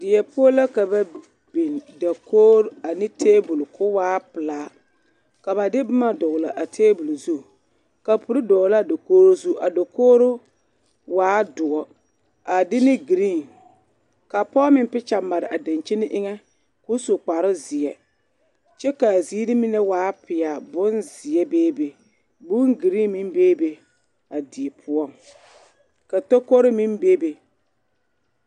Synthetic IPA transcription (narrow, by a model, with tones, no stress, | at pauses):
dɪ˨jɛ˨pʊ˦o˦la˦ka˨ba˨ | bi˨nda˨kʰoː˦ɾa˨nɪ˦tʰeː˦bu˨lkʰʊ˦waː˦pɨ˨laː˦ | ka˨ba˨dɪ˦bʊ˦ma˦dɔ˨ɣla˨ʔa˨tʰeː˦bu˨lzu˦˨ | ka˨pu˨ɾɪ˦dɔ˨la˦˨do˨koː˦ɾo˦zu˦˨ʔa̰˨do˨koː˦ɾʊ˦ | waː˦dʊ˨ɔ˨ | a˨dɪ˦nɪ˦ɡi˨ɾi˦˨n | ka˨pɔː˦mɪ˦m˦pɪ˦t͡ʃa˨mːa˨ɾɪ˨ʔa˨da˨nt͡ʃi˦nɪ˦ʔɪ˦ŋɛ˦ | ku˦so˨k͡pa˨ɾɪ˦zɪ˨ɛ˨ | t͡ʃɛ˦ka˨ziː˦dɪ˦mi˦nɛ˦waː˨˦pɪ˨a˨bʊ˦nzɪ˨ɛ˦beː˦be˨ | bu˦ŋɡi˨ɾi˦mi˦mbeː˦be˨ | a˨di˨e˨pʰʊ˦ɔ˦˨ŋ | ka˨to˦ko˦ɾɪ˦mi˦mbeː˦be˨